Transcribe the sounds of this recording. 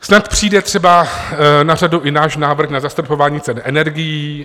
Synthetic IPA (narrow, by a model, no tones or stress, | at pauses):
snat̪pr̝̥iːdɛt̪r̥ɛbanaraduʔɪnaːʃnaːvr̩xnazast̪ɾopo̞vaːɲiːt͡sɛnʔɛnɛɾɡɪjiiː